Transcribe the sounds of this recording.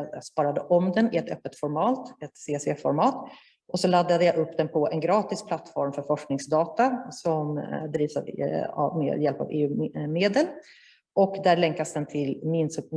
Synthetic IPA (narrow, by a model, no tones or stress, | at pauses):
j̰spɑːɾad̪əʔɔmd̪ɛnɪɛt̪œ̰pːət̪fɔɾmɑːt̪ɛt̪seːsɛfɔɾmɑːt̪ | ʔɔsɔlad̪ːad̪əjaʔɵpːd̪ɛnpʰɔʔɛnɡɾɑːt̪ɪspʰlat̪ːfɔɾmfœɾfɔʂknɪŋsd̪ɑːt̪asɔmd̪ɾiːvsa̰va̰vmḛːd̪jɛlpa̰vḛːʉ̟ːmeːd̪əl | ʔɔkd̪æɭɛŋkasd̪ɛnt̪ʰɪlmɪnsɵ